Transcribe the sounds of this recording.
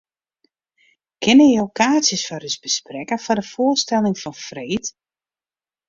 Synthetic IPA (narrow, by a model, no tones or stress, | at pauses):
kʰɪnəowkʰaːsjəsfɔrysbəsprɛkəfɔdəfoəstɛlˠɪŋfɔnfreːt